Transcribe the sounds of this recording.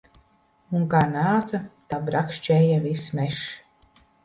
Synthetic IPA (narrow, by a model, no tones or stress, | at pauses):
uŋkaːnaːt̪sat̪abɾakʃt͡ʃɛjavismeʃ